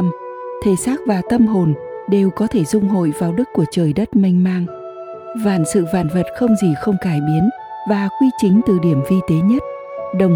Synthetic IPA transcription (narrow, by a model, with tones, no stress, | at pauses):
m | t̪ʰe˨˩saː˦˥k̚vaː˨˩t̪ə˧mɦo˨˩n | ɗe˨˩wkɔ˨˦t̪ʰe˧˩zʊ˧ŋ͡mɦo̰˧˨jvaː˨˩wɗɨ˦˥kːu˧˩ət͡ɕəː˨˩jɗə˦˥t̚mi˧ŋ̟maː˧ŋ | vaː˧˩nsɨ̰˧˨vaː˧˩nvə˨˩t̚xə˧wŋ͡mzi˨˩xə˧wŋ͡mkaː˧˩jɓi˨˦ən | vaː˨˩kwi˧t͡ɕï˨˦ŋ̟t̪ɨ˨˩ɗi˧˩əmvi˧t̪e˨˦ɲə˦˥t̚ | ɗə˨˩w